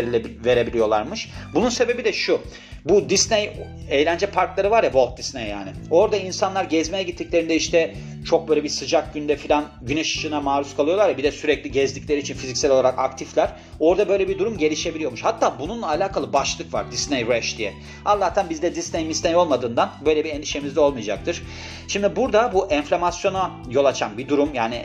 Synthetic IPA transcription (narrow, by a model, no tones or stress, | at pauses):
ɾilʲɛve̞ɾe̞bilʲijo̞lˠaɾmɯʃbununse̞be̞bid̪ɛʃu | bud̪isnej | ejlʲænd͡ʒɛpʰaɾklˠaɾɯvaɾjavo̞lˠt̪̚d̪isnejja̰ːnɪo̞ɾd̪ainsanlˠaɾɟɛzmejɛɟit̪ʰːiclʲe̞ɾind̪ɛiʃt̪ɛ | t͡ʃʰo̞k̚bøjlʲebisɯd͡ʒak̚ɟynd̪ɛfilʲan | ɟynɛʃɯ̥ʃɯnamaːɾuskʰalˠɯjo̞lˠaɾjɛbid̪ɛsyɾɛclʲiɟɛzd̪iclʲeɾiːt͡ʃʰinfizicsælʲo̞lˠaɾaka̰kt̪ʰiflʲæɾ̥ | o̞ɾd̪abø̞jlʲɛbid̪uɾumɟe̞lʲiʃe̞bilʲijo̞muʃhat̪ʰːaːbununlˠaːlʲaːkʰalˠɯbaʃlˠɯkva̰ɾd̪isnejbɾɛʃd̪ijɛ | azːˠaːt̪ʰænbizlʲɛd̪isnejmisnejo̞lˠmad̪ɯːnd̪anbø̞jlʲɛbieɛnd̪iʃe̞mizd̪ɛo̞lˠmɯjad͡ʒa̰k̚t̪ʰɯɾ̥ | ʃimd̪ibuɾd̪abuʔɛɱflʲamasjo̞na | jo̞lˠat͡ʃʰambid̪uɾumjaːnɪ